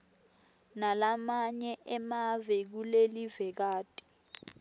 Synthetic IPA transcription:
nalamaɲɛʔɛmavɛk̬ulelivɛk̬aːtʼi̥

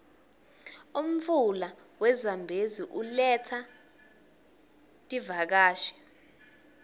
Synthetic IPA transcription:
um̩fula | wɛzambʱeziʔulɛtʰa | tʼivak̬aːʃɛ̥

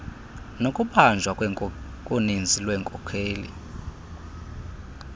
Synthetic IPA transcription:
nokʼuɓand͡ʒʱwa | kʼunind͡zʱilwɛːŋkʼɔkʰeːlḭ

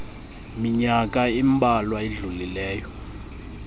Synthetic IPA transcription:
miɲakʼaimbʱalwaeɮulilɛːjɔ

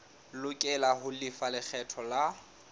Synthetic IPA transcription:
lʊkʼɛlahʊlɪfalɪk͡xʰɛtʰɔla

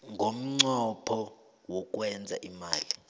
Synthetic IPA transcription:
ŋɡʱom̩ŋ͡ǀɔpʰɔ | wɔk̬ʼwɛnd͡zʱa̰ʔimaːli

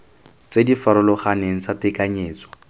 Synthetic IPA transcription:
t͡sedifaɾʊlɔχaneŋ̩t͡satɪkaɲeːt͡sɔ̥

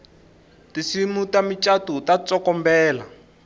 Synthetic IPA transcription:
tisimutamit͡ʃatutat͡sɔkɔmbɛːla̰

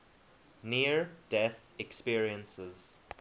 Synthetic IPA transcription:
niəɹd̥ɛθ | ɛkspiəɹiə̃nsəz̥

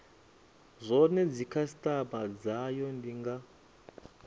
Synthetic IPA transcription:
zʷɔnɛd͡zikʰasi̥tʼabad͡zajɔndiŋɡa

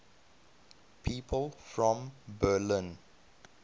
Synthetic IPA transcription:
pʰiːpʰəlfɹɔ̃mbəlĩn

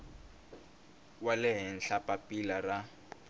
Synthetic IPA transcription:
walɪɦɛn̩ɬapapilara

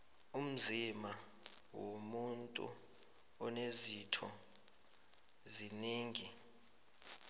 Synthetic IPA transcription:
um̩zima | womuntʼṵ | ɔnezitʰɔ | ziniːŋi

